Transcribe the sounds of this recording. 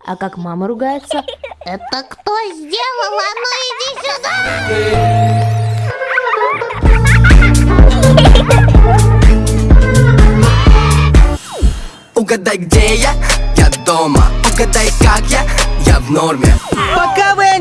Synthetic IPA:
ɐ̰kakmaməɾʊɡajɪt̪səɛt̪əkt̪ozʲdʲelˠəlˠɐɐnoɪvʲɪzʲʊd̪a̰ | ʊɡɐd̪ajɡdʲejajad̪omə̰ʊɡɐd̪ajkakjajavnormʲḛpɐkavɨ

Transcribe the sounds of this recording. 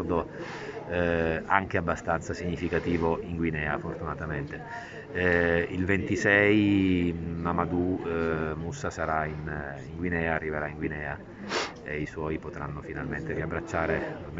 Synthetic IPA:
d̪o | aŋk̟eabːast̪ant̪sasiɲːifikat̪iːvoʔiŋɡwinɛːafort̪unat̪ament̪e | ilvent̪isɛj | mamad̪u | musːasaɾainiŋɡwinɛːaːrːiveɾaiŋɡwinɛːa | eiswɔjpot̪ɾanːofinalment̪eɾiabɾat͡ʃːaːɾe | m

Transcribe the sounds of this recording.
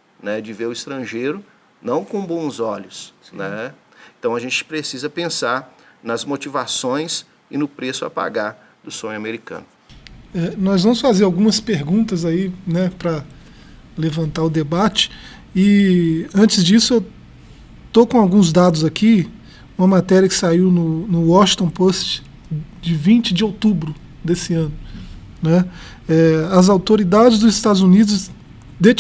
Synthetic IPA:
nɛd͡ʒɪveɾʊist̪ɾɐ̃ʒejɾʊ | nɐ̃w̃kõbõw̃zɔʎʊsnɛẽt̪ɐ̃w̃ɐʒẽt͡ʃɪ̥pɾesizɐpẽsaɾnɐzmot͡ʃivasõj̃s | ɪnʊpɾesʊa̰pa̰ɡaɾ | d̪ʊsõɲʊameɾikɐ̰̃nʊ | ɛnɔzvɐ̃mʊsfazeɾawɡũmɐspeɾɡũnt̪ɐzainɛpɾɐ | levɐ̃nt̪aʊd̪ebat͡ʃɪ̥ | ɪɐ̃nt͡ʃɪzd͡ʒisʊew | t̪okõawɡũzd̪ad̪ʊzakʰi | ũmɐmat̪ɛɾjɐkɪ̥saiwnʊnʊwɔʃĩt̪õpost͡ʃɪ̥ | d͡ʒɪvĩt͡ʃɪd͡ʒɪowt̪ubɾʊ | d̪esɪɐ̃nʊ | nɛ | ɛɐzawt̪oɾid̪ad͡ʒɪzd̪ʊzɪst̪ad̪ʊzunid̪ʊs | d̪et͡ʃ

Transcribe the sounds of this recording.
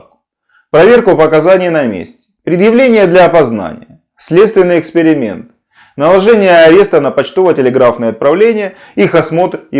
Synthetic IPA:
pɾɐvʲe̞rkʊpəkɐzanʲɪjnɐmʲḛsʲtʲɪ̥pɾʲɪd̪jɪvlʲenʲɪjəd̪lʲɐːpɐzna̰nʲɪ̰jə | sʲlʲet̪st̪vʲɪnːɨjəːkspʲɪɾʲɪmʲe̞̰nt̪ɨ̥ | nəlˠɐʐɛnʲɪjəɐɾʲe̞st̪ənəpɐt͡ɕt̪o̞vətʲɪlʲɪɡɾafnəjəɐt̪̚pɾɐvlʲenʲɪjə | ixɐsmo̞t̪

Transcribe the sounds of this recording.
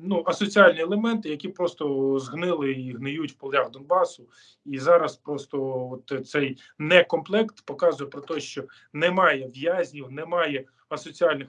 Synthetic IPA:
nuɐsɔt͡sʲiɑlʲnʲiɛlˠemɛnt̪ɪjɐkʲipɾɔst̪ɔzɦnɪlˠɪiɦnɪjutʲwpɔlˠjʲaxd̪ɔnbɑsʊ | izɑɾɐspɾɔst̪ɔɔt̪t̪sɛj | nɛkɔmplˠɛkt̪pɔkɑzʊjɛpɾɔt̪ɔjʃt͡ʃɔ | nɛmɑjɛʋjazʲnʲiwnɛmɑjɛ | ɐsɔt͡sʲiɑlʲnɪ

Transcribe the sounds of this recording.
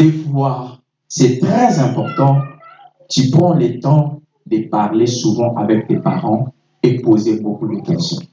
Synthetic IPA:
devwaʁ | sɛt̪χɛzɛ̃pɔʁt̪ɑ̃ | t̪ypχɑ̃lət̪ɑ̃ | d̪əpaʁlesuvɑ̃ʔavɛk̚t̪epa̰ʁɑ̃ | epozebokud̪əkɛ̃sjɔ̰̃

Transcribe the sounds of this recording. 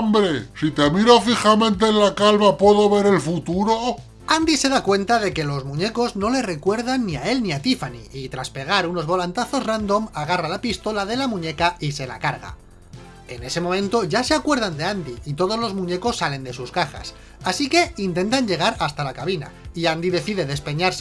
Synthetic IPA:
mbɾesit̪emiɾofixamẽ̞nt̪eːnlakalβapwe̞ðoβe̞ɾe̞lfut̪uɾo | and̪ise̞ðakwe̞nt̪að̞e̞ke̞lo̞zmũɲe̞ko̞zno̞le̞re̞kwe̞ɾð̞anːiae̞lniat̪ifanḭʔit̪ɾaspe̞ɣ̞aɾuno̞zβo̞lant̪aθo̞zrand̪o̞maɣ̞aralapist̪o̞laðe̞lamũɲe̞kaise̞la̰kaɾɣ̞a̰ | e̞ne̞se̞momẽnt̪o̞ʝase̞akwe̞ɾð̞and̪e̞and̪iit̪o̞ð̞o̞zlo̞zmũɲe̞ko̞sːale̞nd̪e̞suskaxa̰s | asike̞int̪e̞nt̪aɲʝe̞ɣ̞aɾast̪alakaβina̰iand̪iðe̞θiðe̞ðe̞spe̞ɲaɾs

